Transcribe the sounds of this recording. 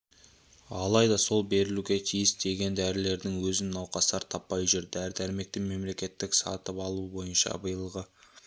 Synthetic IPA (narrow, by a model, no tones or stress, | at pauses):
ɑlˠɑjd̪ɑso̞lˠbe̞ɾɪluɡʲet̪ʰijɪsd̪e̞ɡʲe̞nd̪æɾɪle̞ɾd̪ɪŋwɵzɪnnɑwqɑsɑɾt̪ʰɑpːɑjʒʏɾd̪ɪæɾd̪æɾme̞k̚t̪ɪme̞mle̞kʲe̞t̪ːɪksɑ̰t̪əpɑlˠubo̞jənʃɑ̰bəjəlˠʁə